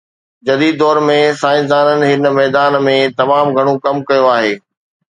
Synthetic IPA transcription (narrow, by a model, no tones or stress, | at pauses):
d͡ʑɐd̪iːd̪ːɔːɾmẽsaːɪ̃nsd̪aːnənɪ̆ɦɪnmɛːd̪aːnmẽt̪ɐmaːmɡʱɐɽ̃õkɐmkɐjoaːɦeː